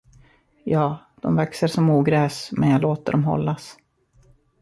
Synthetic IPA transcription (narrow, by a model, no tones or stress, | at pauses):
jɑː | d̪̥ɔmvɛksəɾʂɔmuːɡɾɛːsmɛnjaloːt̪ə̰ɖɔmɦɔ̰lːas